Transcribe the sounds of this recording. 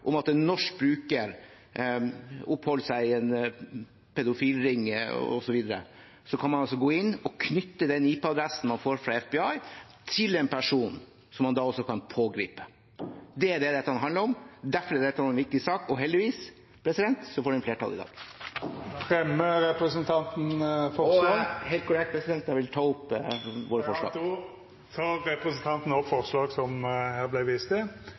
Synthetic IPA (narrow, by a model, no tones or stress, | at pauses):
ʔʊmɑt̪nɔʂkbɾʉːkəɾ | ʊpːhɔlsæɪɛn | pʰɛd̪ʊfiːlɾɪŋːɔ̰sɔʋiːd̪əɾə̰ | sɔkʰɑnmɑnɑsɔɡoːɪnːɔkʰnʏt̪ːəd̪ɛniːpəɑd̪ɾɛsn̩mɑnfoːɾfɾɑɛfbɛɑɪ | t̪ʰɪlɛnpʰæʂuːn | sɔmːɑnd̪ɑːɔsɔkʰɑnpʰoːɡɾḭːpə̥ | d̪ɛæɖ̪ɛd̪ɛt̪ːəhɑnɦɑnd̪ləɾɔmd̪æɾfɔɾɛɾd̪ɛt̪ːhɑnɛnʋɪk̚t̪ɪsɑːkɔɦɛld̪ɪʋiːs | pʰɾɛsɪd̪ɛnt̪sɔfoːɖʉɛnfleːʈɑ̰lːɪd̪ɑ̰ːɡ̥ | fɾɛmːəɾɛpɾəsənt̪ʰɑnt̪n̩fɔɔɑɦeɪl̚kʰʊlɛkt̪pʰɾɛsɪd̪ɛnt̪̚d̪ɑʋɪlt̪ʰɑːʊpːʋoːɾəfɔʂɭɑ̰ːɡd̪ɔ | t̪ʰɑːɾːɛpɾəsən̩t̪ʰɑnt̪n̩ɔpfɔɾslɑːɡsɔmhæːɾblæɪʋist̪ə